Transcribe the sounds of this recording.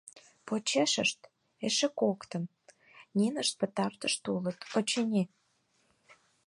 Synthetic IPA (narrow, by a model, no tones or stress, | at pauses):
pot͡ɕeʃəʃt̪ | eʃĕkokt̪ə̆m | nʲinəʃt̪̚pə̆t̪ɑrt̪əʃt̪ulət̪ot͡ɕenʲe